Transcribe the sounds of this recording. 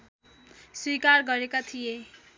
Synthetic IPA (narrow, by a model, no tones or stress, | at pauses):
swikarɡʌɾekat̪ʰije